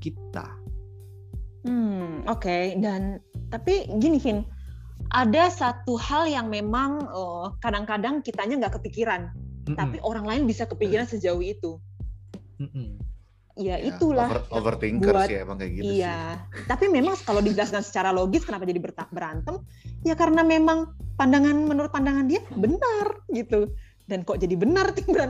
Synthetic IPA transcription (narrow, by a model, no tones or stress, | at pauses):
kit̪a̰ | mm̩okedant̪apiɡinikɪn | ʔadasat̪uhaljaŋmemaŋəːkadaŋkadaŋkit̪aɲaŋɡaʔkəpikiɾant̪apiʔoɾaŋlaɪnbisakəpikiɾansəd͡ʒaʊhit̪u | ijaʔit̪ulahovərt̪iŋbkuəatbaŋɡaɡiijat̪apimemaŋkalowdid͡ʒəlaskansə̥t͡ʃaɾaloɡɪskənapad͡ʒadibərt̪abəɾant̪əm | jakaɾənamemaŋpandaŋanmənuɾʊt̪̚pandaŋandiabənərɡit̪u | dankɔʔd͡ʒadibənərt̪ɪŋbəɾan